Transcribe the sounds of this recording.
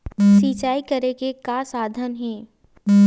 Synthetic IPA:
siːt͡ʃaːikɐɾekekasaːd̪ʱənɦɛ̃ː

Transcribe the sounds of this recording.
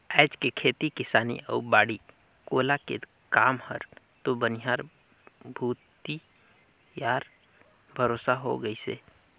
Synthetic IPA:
ɛːd͡ʒkekʰeːt̪ikɪsaːnḭə̰ːɾbaːɽi | koːlakḛ | kaːmhə̰ɾ | t̪obənɪɦaːɾ | bʱuːt̪i | jaːɾ | bʱəɾoːsaɦo̰ɡəisḛː

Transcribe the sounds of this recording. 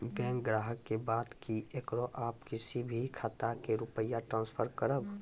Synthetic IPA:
bɛ̃ːŋkɡɾaːɦəkːebaːd̪kiekɾoʔaːpkɪsibʱikʰaːt̪akeɾʊpəjaʈɾãːnspʰəɾkəɾəb

